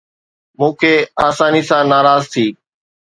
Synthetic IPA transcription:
mũːkʰeːaːsaːniːsãːnaːɾaːzt̪ʰiː

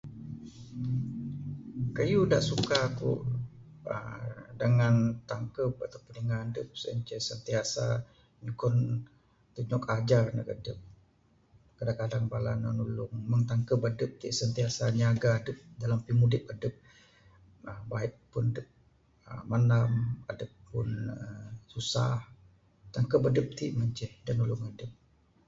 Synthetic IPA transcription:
kəjudaʔsukakṵʔ | ə̰dəŋant̪aŋkəp̚at̪apənəŋaədəp̚sə̰nt͡ʃəsənt̪iasa̰ | ɲukɔn | t̪uɲɔkad͡ʒarnə̰kədəp̚ | kadakadaŋbalana̰nulʊŋməŋt̪aŋkəbadəp̚t̪ḭʔsənt̪iasaɲiaɡaːdəp̚dalampimudɪp̚adəp̚ | əbaiʔ̚pːʊndəp̚ | ə̰manamadəpːʊnəsusa̰h | t̪aŋkəbadəp̚t̪iʔməɲt͡ʃɛhdanulʊŋadəp̚

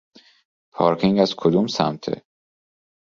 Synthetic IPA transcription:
pʰɒːɾkʰiŋɡæzkʰod̪uːmsæ̰mt̪ʰḛ

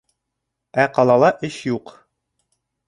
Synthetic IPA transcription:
æqɑlˠɑlˠɑʔɘʃjuq

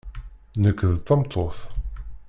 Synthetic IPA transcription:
nəkːðt̪ːɑmt̪ʰˤoθ

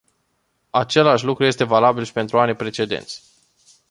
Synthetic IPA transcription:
at͡ʃe̞laʃ̬ʲlukɾuje̞s̬t̪e̞valabilʃi̥pe̞nt̪ɾuanipɾe̞t͡ʃe̞d̪ḛnt̪sʲ

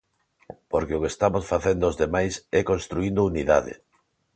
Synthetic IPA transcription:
poɾkeʊkest̪amosfaθend̪oːzðemajsɛkonst̪ɾuĩnd̪ouniða̰ðɪ̰

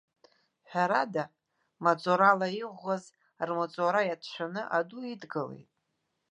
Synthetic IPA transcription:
ħᶣaɾada | mat͡sʼoɾalaiʁʷaz | rmat͡sʼoɾajatʰʃʷᶣanɨʔaduidɡɨle̞̰jtʼ

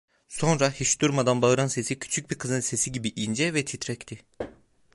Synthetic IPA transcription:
so̞nɾahit͡ʃd̪uɾmad̪anbaɯɾanse̞sicʰy̥t͡ʃʰyc̚biɾkʰɯzɯnse̞siɟibiʔind͡ʒɛvɛt̪ʰit̪ʰɾɛct̪ʰi

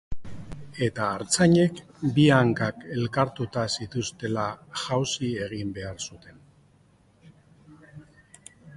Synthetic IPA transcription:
e̞t̪aːɾt͡saɲe̞k | biaŋkake̞lkaɾt̪ut̪asit̪ust̪e̞laʝawsie̞ɣ̞imbe̞aɾsut̪e̞n

